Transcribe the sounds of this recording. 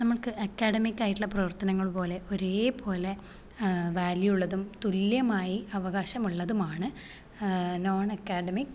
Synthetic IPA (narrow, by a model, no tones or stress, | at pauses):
nɐmːɐɭkɨʔɐkːaːɽɐmikʲːaːjiʈːiɭːɐprɐʋɐrt̪ɐnɐŋːɐɭpo̞ːle̞ʔo̞ɾeːpʰo̞ːle̞ | ʋaːljujuɭːɐðumt̪uljɐmaːjiɐʋɐɣaːɕɐmuɭːɐðumaːɳɨ | no̞ːɳɐkːaːɖɐmikː